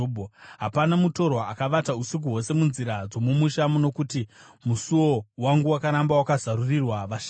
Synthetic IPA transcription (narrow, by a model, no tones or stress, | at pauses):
bʱoɦapanamuto̞rwaːkaʋatausik̬uɦo̞se̞munziɾad͡zo̞mumuʃamono̞kuti | musuwo̞waŋɡuwakaɾambawakazaɾurirwaʋaʃ